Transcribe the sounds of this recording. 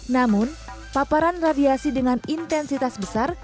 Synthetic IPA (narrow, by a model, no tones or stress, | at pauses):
namʊn | papaɾanradiasidəŋanint̪ɛnsit̪asbəsar